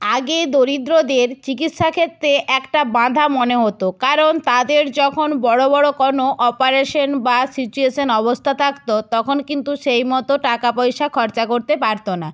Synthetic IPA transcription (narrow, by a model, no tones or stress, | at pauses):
aɡed̪oɾid̪ɾod̪eɾt͡ɕikit̪ʃakʰet̪ːɾeʔɛkʈabãd̪ʱamoneɦot̪okaɾont̪ad̪eɾd͡ʑɔkʰonbɔɽobɔɽokɔnoʔɔpaɾeʃonbasit͡ɕueʃonɔβost̪ʰat̪ʰakt̪ot̪ɔkʰonkint̪uʃejmɔt̪oʈakapojʃakʰɔɾt͡ɕakoɾt̪epaɾt̪ona